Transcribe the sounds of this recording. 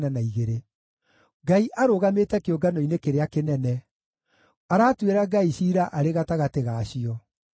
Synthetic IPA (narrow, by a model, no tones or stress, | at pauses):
nanaiɣeɾe | ɡaiʔaɾoɣameːtɛkeoɡanɔinekeɾeakenɛnɛ | aɾaːtweɾaɡaiɕiːɾaʔaɾeɣataɣateɣaːɕiɔ